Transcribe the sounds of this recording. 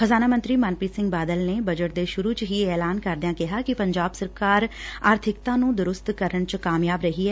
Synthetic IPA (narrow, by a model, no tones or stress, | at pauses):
xəzaːnaːmənt̪ɾiːmaːnpiːsɪ̃ŋɡbaːd̪əlneːbəd͡ʒəʈ̚d̪eːʃʊɾuːt͡ʃɦiːeːlaːnkəɾd̪ɪjãːkɪɦaːkɪpəɲd͡ʒaːbsəɾkaːɾaːɾt̪ʰɪkt̪ãːnũːd̪ʊɾʊst̪kəɾəɳt͡ʃkaːmjaːbɾəɦiːɛː